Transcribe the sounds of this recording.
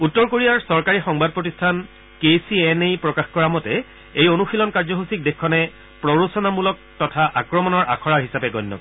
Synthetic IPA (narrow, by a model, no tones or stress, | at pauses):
utːɔɹkoɹijaɹsɔɹkaɹixɔŋbad̚pɹotistʰan | kesiɛnejpɹɔkaxkɔɹamɔtɛ | ejonuxilɔnkaɹzɔɦusik̚dexkʰːɔnɛ | pɹɔɹosɔnamulɔk̚tɔtʰaʔakɹɔmɔnɔɹʔa̰kʰɔɹaɹɦisapɛɡɔjnːɔ̰k